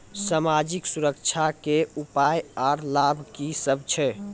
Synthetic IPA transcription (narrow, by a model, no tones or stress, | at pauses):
samad͡ʒiksuɾəkt͡ʃʰakeupajaɾlabʱkisəb̚ʱt͡ʃʰɛ